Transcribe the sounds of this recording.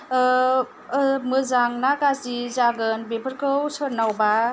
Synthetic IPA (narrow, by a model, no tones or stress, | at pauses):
mɯzaŋnakazizaɡɯnbepʰəɾkʰɯwsɯɾnawba